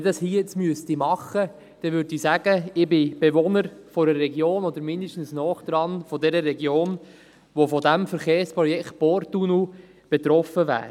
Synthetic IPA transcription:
dɑshiːjɛt͡smyəstimɑχə | d̥ɛʋʏɾdisæɡ̥əɪbɪb̥eʋonəɾfɔɾərːɛɡjoːnɔd̪əɾmɪnd̪əʃtn̩snɔːχd̪̥ɾɑnfɔd̪ɛɾəɾɛɡjoːn | ʋofɔdæmfɛɾχeːrspɾɔjɛkχt̪̚b̥ɔɾt̪unu | b̥et̪ɾɔfəvæ̰ːɾ

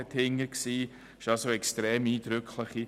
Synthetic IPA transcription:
ɛthɪŋːəksiː | ɪʃɑlsoɛkstɾeːmiːd̥ɾʏkʰχləχi

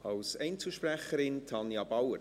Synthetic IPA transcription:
ɑlsɛɪnt͡suʃprɛχəɾɪntʰɑnjɑbawəɾ

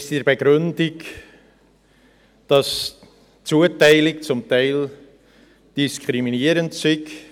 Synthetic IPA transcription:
sdiɾbəɡɾʏndɪɡ | d̥ɑs | t͡suətaɪlɪk̚t͡sʊmtaɪl | d̥iskʰʁɾiminiːɾəntsɪɡ

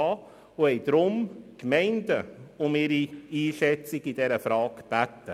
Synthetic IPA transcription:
ɑː | ʊhɛɪd̪̥ɾʊmkmɛɪndəʊmɪɾiiːʃɛt͡sɪɡɪd̥ɛɾəfɾɑːkb̥æt̪ːə

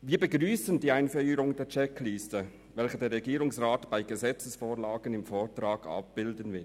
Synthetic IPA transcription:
viːɐbəɡʁyːsəndiːaɪnfœʏəɾʊŋdeːɐt͡ʃɛklistə | vɛlçədeːɐɾʁɛɡiːɾʊŋsʁaːtb̥aɪɡəzɛt͡səsfoːʁlaːɡənɪmfoːtʁaːɡɑ̰p̚b̥ɪldənvɪ

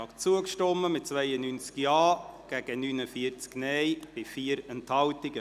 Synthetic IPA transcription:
ɑkt͡suəkʃtɔmːəmɪt̚t͡svɛɪənynt͡skjɑːɡ̥æɡ̥ənynəfiəɾt͡sknɛjb̥ɪfiːəɾɛnthɑltɪɡə

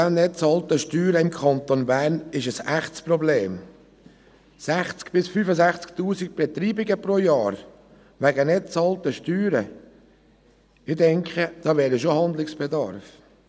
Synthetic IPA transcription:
annɛt͡sɑlt̪əʃtyːɾəɪmkʰχɑnt̪onbæːɾnɪʃəsæχtsprɔbleːm | sæχt͡skb̥ɪsfyfəzæχt͡skt̪uːsik̚b̥ɛt̪ɾiːbɪɡəpɾojɑːɾ | ʋæɡənɛt͡sɑlt̪əʃtyːɾə | ɪdɛŋkχəd̥ɑːʋɛːɾəʃohɑnd̪lɪksb̥ɛd̪ɑ̰ɾf

